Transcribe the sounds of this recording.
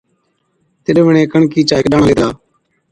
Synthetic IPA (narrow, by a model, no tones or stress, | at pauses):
t̪ɪɗʋəɳẽːkəɳkiːt͡ʃaːɪkɗaːɳleːt̪aː